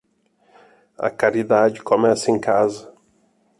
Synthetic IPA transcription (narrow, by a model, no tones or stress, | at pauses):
ɐ̰kaɾid̪ad͡ʒɪkomɛsɐẽj̃kazɐ